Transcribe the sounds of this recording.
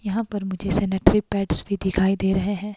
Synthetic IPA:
jɐɦãpɐɾmʊd͡ʒʱesɛːneʈɾipɛːɖsbʱid̪ɪkʰaːid̪eːɾɐɦeɦɛ̃ː

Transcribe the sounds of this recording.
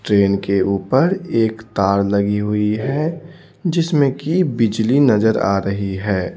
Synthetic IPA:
ʈɾeːnkeʔuːpəɾeːkt̪aːɾlɐɡiɦʊiɦɛ | d͡ʒɪsmẽkibɪd͡ʒlinɐzəɾa̰ːɾəɦiɦɛː

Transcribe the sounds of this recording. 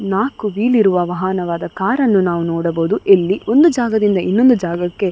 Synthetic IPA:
naːkuʋiːliɾuʋɐʋɐɦɐnɐʋaːd̪ɐkaːɾɐnːunaːʋunɔːɽɐboːd̪uʔelːio̞nd̪ud͡ʒaːɡɐd̪ind̪ɐinːo̞nd̪ud͡ʒaːɡɐkːe̞

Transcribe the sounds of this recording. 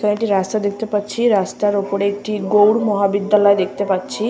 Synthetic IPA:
kəẽʈiɾast̪ad̪ekʰt̪epat̪ːt͡ɕʰiɾast̪aɾopoɽeːk̚ʈʰiɡowɽmɔɦabid̪jalɔed̪ekʰt̪epat̪ːt͡ɕʰi

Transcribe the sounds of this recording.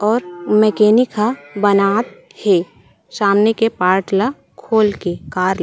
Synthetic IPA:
ɔːɾmɛːkeːnikabənaːt̪̚ | heː | saːmnekepaːɾʈla | kʰoːlkekaːɾ

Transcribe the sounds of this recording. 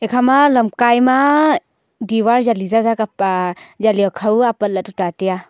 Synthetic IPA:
ekʰamaləmkajma | diwaɾzalizazaka | zaliɔkʰawapət̚latutatija

